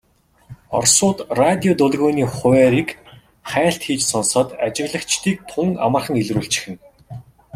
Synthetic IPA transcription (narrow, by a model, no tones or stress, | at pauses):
ɔ̰rsʊːt̪rat̪ʲiɔt̪ʊɮɣʊːniːχʊæːɾik | χæːɬt̪xiːt͡ɕsɔnsɔːt̪at͡ɕɪ̆ɣɮə̆kt͡ɕt̪ʰiːk̚t̪ʰʊŋa̰mə̆rχə̆ŋeɮruːɬt͡ɕɪ̥xɘ̆n